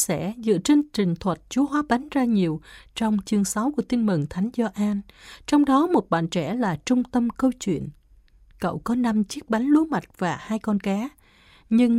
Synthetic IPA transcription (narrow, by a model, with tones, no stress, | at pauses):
sɛ̰˧˥zɨ̰˧˨t͡ɕe˧nt͡ɕï˨˩ŋ̟t̪ʰwə˨˩t̚t͡ɕu˨˦əɦwaː˨˦ɓa˨˦ŋzaː˧ɲi˨˩əwt͡ɕɔ˧wŋ͡mt͡ɕɨ˧əŋsa˨˦wku˧˩ət̪i˧nmɨ˨˩ŋt̪ʰa˨˦jŋ̟zɔ˧ʔaː˧nt͡ɕɔ˧wŋ͡mɗɔ˨˦mo˨˩t̚ɓa̰ː˧˨nt͡ɕɛ̰˧˩laː˨˩t͡ɕʊ˧ŋ͡mt̪ə˧mkə˧wt͡ɕwḭ˧˨ən | kə̰˧˨wkɔ˨˦na˧mt͡ɕi˦˥ək̚ɓa˨˦jŋ̟lu˨˦ma˨˩t̚v̥aː˨˩haː˧jkɔ˧nkaː˨˦ | ɲɨ˧ŋ